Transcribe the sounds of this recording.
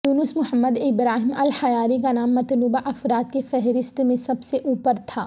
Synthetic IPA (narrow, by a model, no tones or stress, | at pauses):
j̪uːnʊsmʊɦəmːəd̪ɪbɾaːɦimɐlhɐjaːɾikanaːmːɐt̪luːbaʔɐfɾaːt̪kefɛɦɾɪst̪mẽsɐbseʔuːpəɾt̪ʰaː